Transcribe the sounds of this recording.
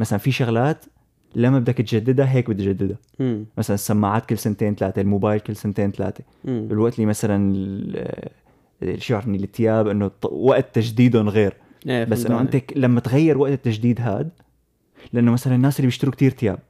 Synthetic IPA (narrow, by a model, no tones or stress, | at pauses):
masalanfiʃaɣlaːt̪ | lamːabɪd̪akt̪d͡ʒad̪ːɪd̪aɦeːk̚bɪt̪d͡ʒad̪ːɪd̪a | masalanɪsːamːaʕaːt̪̚kɪlːsant̪eːnt̪alaːt̪elmobaːjlkɪlːsant̪eːnt̪ala̰ːt̪e̥ | bɪlwaʔt̪liːmasalanɪl | ʃʊʕɾnːilɪt̪ʰːɪjaːbʔɪnːowaʔt̪ːaʒd̪iːd̪ʊnɣeːɾ | basːʔɪnːoʔɪnt̪eklamːat̪ɣajːɪɾwaʔt̪ɪt̪ːaʒd̪iːd̪ɦaːd̪ | lɪʔanːomasalanɪnːaːsʔɪlːibjɪʃt̪ɪɾukt̪iːɾt̪ɪja̰ːb̚